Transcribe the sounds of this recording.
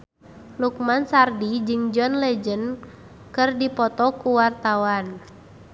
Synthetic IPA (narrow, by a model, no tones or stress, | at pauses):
lukmansardid͡ʒɨŋd͡ʒɔnlɛd͡ʒən | kɨrdipɔt̪ɔkuwart̪awan